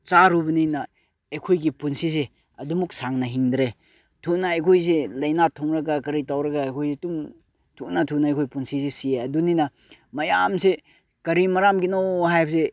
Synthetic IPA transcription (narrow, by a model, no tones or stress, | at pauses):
t͡ʃaɾubɐnijnɐ | ɐjkʰojɡipunsise | ɐdumuk̚saŋnɐɦiŋdɾe | tʰunaːjkʰojs̬elɐjnatʰɔŋɾɐɡakɐɾitawɾɐɡaːjkʰojsetuŋ | tʰuʔnatʰunaːjkʰojpunsizesieɐduninɐ | mɐjamse | kɐɾimɐɾamɡinohajbse